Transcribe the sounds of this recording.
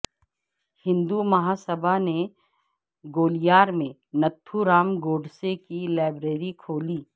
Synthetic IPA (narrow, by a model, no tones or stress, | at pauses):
hɪ̃nd̪umɐɦaːsəbʱane | ɡoːlijaːɾmẽ | nɐt̪ʰːuɾaːmɡoːɖsekilaːɪbɾeːɾikʰoːliː